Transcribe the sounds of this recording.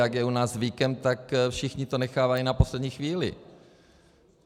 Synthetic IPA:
jaɡjɛunaːzvikɛmt̪akfʃɪxɲɪt̪onɛxaːvajinapo̞slɛdɲiːxviːlɪ̰

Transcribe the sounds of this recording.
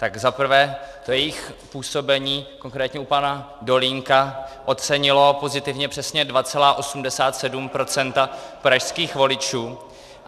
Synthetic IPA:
t̪aɡzapr̩vɛːt̪ojɛjɪxpuːso̞bɛɲiːko̞ŋkɾɛːt̪ɲɛupana | do̞liŋkaʔo̞t̪t͡sɛɲɪlo̞po̞zɪt̪ɪvɲɛpr̥ɛsɲɛdvat͡sɛlaːʔo̞sumdɛsaːt̪sɛdumpɾo̞t͡sɛnt̪apɾaʃskiːxvo̞lɪt͡ʃuː

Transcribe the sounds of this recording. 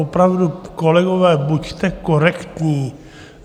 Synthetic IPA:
opɾavdukolɛɡovɛːbuct̪ɛkoɾɛkt̪ɲiː

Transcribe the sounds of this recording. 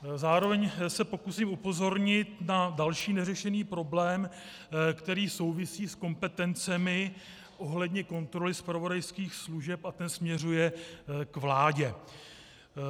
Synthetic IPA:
zaːɾo̞vɛɲsɛpo̞kusiːmupo̞zo̞ɾɲɪt̪nadalʃiːnɛrɛʃɛniːpɾo̞blɛːm | kt̪ɛɾiːso̞wvɪsiːsko̞mpɛt̪ɛnt͡sɛmɪ | ʔo̞ɦlɛdɲɛko̞nt̪ɾo̞lɪspɾavo̞dajskiːxsluʒɛpat̪ɛnsmɲɛr̝ujɛkvlaːɟɛ

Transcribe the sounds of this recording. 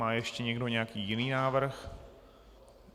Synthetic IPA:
aːjɛʃcɛɲɛɡdo̞ɲɛakiːjɪniːnaːvr̩x

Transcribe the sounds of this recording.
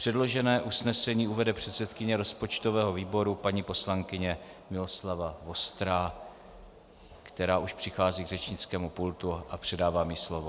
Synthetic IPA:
pr̥ɛdlo̞ʒɛnɛːʔusnɛsɛɲiːuvɛdɛpr̝̥ɛt̪sɛt̪kɪɲɛɾo̞spo̞t͡ʃt̪ovɛːɦo̞viːbo̞ɾupaɲipo̞slaŋkɪɲɛ | mɪlo̞slavavo̞st̪ɾaː | kt̪ɛɾaːʔuʃpr̥ɪxaːziːɡrɛt͡ʃɲɪt͡skɛːmupult̪uʔapr̥ɛdaːvaːmɪslovo

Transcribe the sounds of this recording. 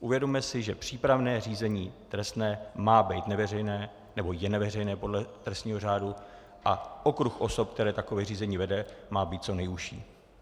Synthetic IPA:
ʔuvjɛdomɛsɪʒɛpr̝̥iːpɾavnɛːr̝iːzɛɲiːt̪ɾɛst̪nɛːmaːbɛjt̪nɛvɛrɛjnɛː | nɛbo̞jɛnɛvɛr̝ɛjnɛːpo̞dlɛt̪ɾɛst̪ɲiːɦo̞r̝aːdu | ʔaʔokɾuxʔo̞so̞pk̚t̪ɛɾɛːt̪akovɛːriːzɛɲiːvɛdɛmaːbiːt̪̚t͡so̞nɛjuʃḭː

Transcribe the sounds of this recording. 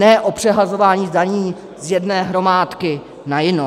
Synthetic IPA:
ɛʔopr̝̥ɛɦazo̞vaːɲiːzdaɲiː | zjɛdnɛːɦɾo̞maːt̪kɪ | najɪno

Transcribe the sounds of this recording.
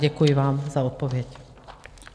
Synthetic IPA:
ɟɛkujiʋaːmzaɔt̪̚pɔʋɪɛc

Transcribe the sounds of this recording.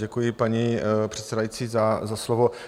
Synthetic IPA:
ɟɛkujɪpaɲipr̥ɛt̪sɛdajit͡siːzazaslovo

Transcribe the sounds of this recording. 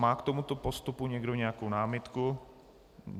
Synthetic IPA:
maːkt̪omut̪opo̞st̪upuɲɛɡdo̞ɲɛakownaːmɪt̪ku

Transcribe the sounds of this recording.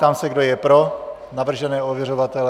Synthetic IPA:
t̪aːmsɛɡdojɛpɾo | navr̩ʒɛnɛːovjɛr̝ovat̪ɛl

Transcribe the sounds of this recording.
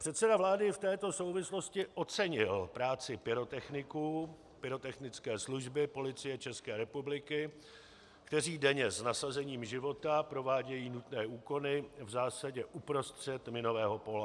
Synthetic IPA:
pr̥ɛt̪sɛdavlaːdɪft̪ɛːt̪o̞so̞wvɪslo̞scɪʔo̞t͡sɛɲɪlpɾaːt͡sɪpɪɾo̞t̪ɛxnɪku | pɪɾo̞t̪ɛxnɪt͡skɛːsluʒbɪpo̞lɪt͡sɪjɛt͡ʃɛskɛːɾɛpublɪkɪ | kt̪ɛr̝iːdɛɲɛsnasazɛɲiːmʒɪvo̞t̪apɾo̞vaːɟɛjiːnut̪nɛːʔuːko̞nɪvzaːsaɟɛʔupɾo̞st̪r̥ɛt̪mɪno̞vɛːɦo̞po̞la

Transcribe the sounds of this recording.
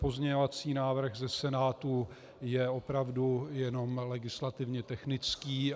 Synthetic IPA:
po̞zɲɛovat͡siːnaːvr̩ɣzɛsɛnaːt̪u | jɛo̞pɾavdujɛno̞mlɛɡɪslat̪ɪvɲɛt̪ɛxnɪt͡skiː

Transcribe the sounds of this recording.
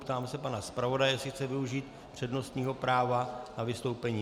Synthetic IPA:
pt̪aːmsɛpanaspɾavo̞dajɛsɪxt͡sɛvɪuʒiːt̪ | pr̝̥ɛdno̞st̪ɲiːɦo̞pɾaːvanavɪst̪o̞wpɛɲiː

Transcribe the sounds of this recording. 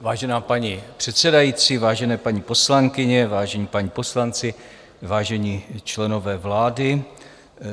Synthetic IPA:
vaːʒɛnaːpaɲipr̝̥ɛt̪sɛdajiːt͡siːvaːʒɛnɛːpaɲipo̞slaŋkɪɲɛvaːʒɛɲiːpaɲipo̞slant͡sɪ | vaːʒɛɲit͡ʃlɛno̞vɛːvlaːdɪ

